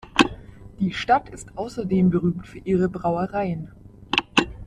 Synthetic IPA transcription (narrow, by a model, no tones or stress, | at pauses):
d̥iːʃtatʰɪstʔaʊsɐdeːmbəʁyːmtfyːɐʔiːʁəbʁaʊɐʁaɪən